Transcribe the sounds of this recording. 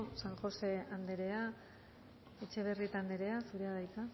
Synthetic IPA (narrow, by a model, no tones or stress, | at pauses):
saŋxo̞se̞and̪e̞ɾe̞a | e̞t͡ʃe̞β̞e̞rit̪and̪eɾe̞asuɾe̞aðajk̪a